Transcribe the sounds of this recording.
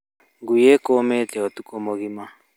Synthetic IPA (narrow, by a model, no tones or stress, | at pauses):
ɡujekometɛɔtukomoɣima